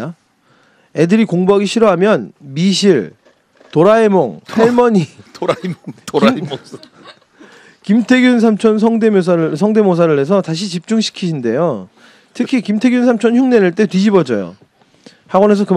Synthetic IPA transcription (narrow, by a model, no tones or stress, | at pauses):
e̞dɯɾikoŋbaɡiɕʰiɾʌɦamjʌnmiɕʰiɭ | toɾaemoŋpʰaɭmʌɲitoɾamotoɾa | kimtʰe̞ɡjuns̬ʰamt͡ɕʰʌnsʰʌŋde̞mos̬ʰaɾɯsʰʌŋde̞mosʰaɾɯɭɦe̞s̬ʰʌtaɕ̬ʰit͡ɕip̚t͡ɕ͈uŋɕʰi̥kʰiɕʰinde̞̰jo | tʰɯkʰikimtʰe̞ɡjuns̬ʰamt͡ɕʰʌnçuŋnenɯɭt͈e̞twɥid͡ʑibʌd͡ʑʌjo̰ | haɡwʌne̞s̬ʰʌkɯ